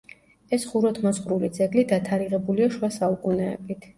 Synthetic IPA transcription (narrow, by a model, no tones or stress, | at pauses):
ɛsχuɾɔt̪ʰmɔsχɾulid̪zɛɡlid̪at̪ʰaɾiʁɛbuliaʃwasaukʼunɛ̰bit̪ʰ